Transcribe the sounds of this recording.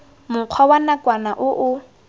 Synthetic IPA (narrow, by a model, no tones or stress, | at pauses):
mʊq͡χʰwawanakʼwanaʔʊʔʊ